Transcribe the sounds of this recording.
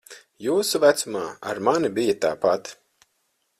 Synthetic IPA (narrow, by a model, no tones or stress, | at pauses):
juːsuvæt̪sumaːa̰ɾmanibijat̪a̰ːpat̪